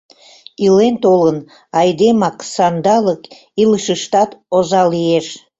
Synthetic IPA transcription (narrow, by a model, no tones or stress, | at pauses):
ilent̪olən | ɑjd̪emɑksɑnd̪ɑlək | ilˠəʃəʃt̪ɑt̪ozɑlijeʃ